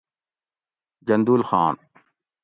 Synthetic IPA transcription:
d͡ʒɐnd̪uːlxaːn

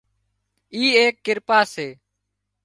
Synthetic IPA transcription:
iːeːkːɪɾpaːseː

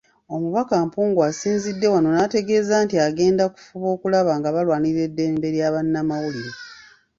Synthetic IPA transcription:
o̞muβakampuːŋɡuasiːnzidːe̞wano̞nate̞ɡe̞ːzaːntiaɡe̞ːndaku̥fuβo̞ːkulaβaŋɡaβalwaːniɾe̞dːe̞mbe̞ɾjaːβanːamawuliɾe

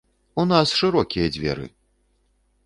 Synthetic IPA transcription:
unasʂɨɾɔkʲijɐd͡zʲvʲɛ̰ɾɨ̰

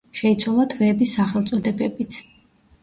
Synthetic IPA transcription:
ʃɛit̪sʰwalˠat̪ʰvɛːbisːaχɛlˠt̪sʼɔd̪ɛbɛbit̪sʰ

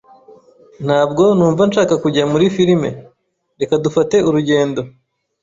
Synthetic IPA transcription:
n̥haːb̚ɡo̞nuːɱvanʃaːkakuɟamuɾifiɾime̞̰ | ɾe̞kadufate̞uɾuɟe̞ːndo̞

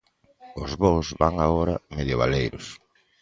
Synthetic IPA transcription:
ʊzβowzβaŋaɣoɾa̰meðjoβalejɾʊs

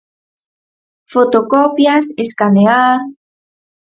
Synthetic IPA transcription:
fot̪okopjaseskaneaɾ

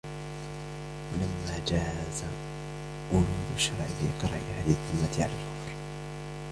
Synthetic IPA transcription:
walamːaːd͡ʒaːza | ʔʊluːd̪ʊʃːɑɾˤʕɪfiqɑɾˤɑʔɪhaːðɪɪðˤːʊmːat̪ɪʕa̰la̰ːlɣɑfɾ

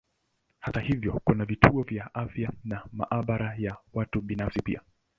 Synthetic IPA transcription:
hatahivjɔkunavitʰuɔvjaʔafjanama̰ʔaɓaɾajawatuɓinafsipḭa

